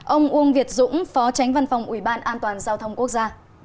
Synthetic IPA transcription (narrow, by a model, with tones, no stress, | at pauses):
ʔə˧wŋ͡mʔu˧ənvi˨˩ət̚zʊ̰˧˥ŋ͡mfɔ˨˦t͡ɕa˨˦jŋ̟va˧˩nfa˨˩wŋ͡mʔi˧˩ɓaː˧nʔaː˧nt̪waː˨˩nzaː˧wt̪ʰə˧wŋ͡mku˦˥ək̚zaː˧